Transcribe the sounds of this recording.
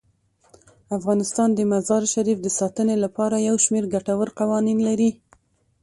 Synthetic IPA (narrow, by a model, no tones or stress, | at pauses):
afɣɑnɪst̪ɑnd̪əmazɑɾʃaɾifd̪əsɑt̪ənelapɑɾajawʃmeɾɡaʈawəɾqawɑninlaɾi